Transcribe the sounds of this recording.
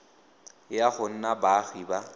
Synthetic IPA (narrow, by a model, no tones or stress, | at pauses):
jaχʊn̩nabaɣiba